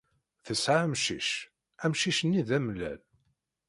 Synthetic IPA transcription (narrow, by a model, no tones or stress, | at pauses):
θəsʕamʃḭʃ | æmʃiʃənːiðæmlæ̰l